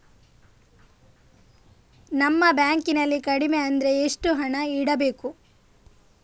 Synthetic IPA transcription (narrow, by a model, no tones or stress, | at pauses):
nɐmːɐbjaːŋkinɐlːikɐɽimeɐnd̪ɐɾe̞ːʂʈuɦɐɳɐiɽɐbe̞ːku